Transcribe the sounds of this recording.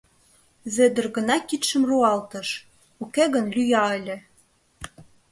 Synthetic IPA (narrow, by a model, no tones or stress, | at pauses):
zed̪ə̆rɣə̆nɑkit̪ʃə̆mruɑlt̪ə̆ʃ | ukeɣənlʲyjɑelʲĕ